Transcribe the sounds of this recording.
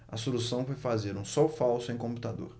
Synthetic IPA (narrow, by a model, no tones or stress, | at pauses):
ɐ̰solusɐ̃w̃fojjfazeɾũsɔwfawsʊẽj̃kõmput̪ad̪o̰ɾ